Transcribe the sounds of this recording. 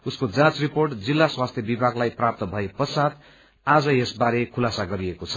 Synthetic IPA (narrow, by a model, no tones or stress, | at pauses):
uskod͡zãt͡sriporʈd͡zilːaswast̪ʰjʌbibʱaɡlajprap̚t̪ʌbʱʌepʌsat̪ | ad͡zʌesbaɾekʰulasaɡʌɾiekot͡sʰʌ̥